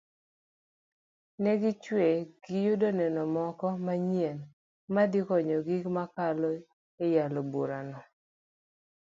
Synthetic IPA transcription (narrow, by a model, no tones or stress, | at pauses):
nɛɡɪt͡ʃweɡ̥ɪjʊdonɛnɔmɔkɔmaɲɛn | mad̪ɪkɔɲɔɡikmakalɔ | ejaloboɾanɔ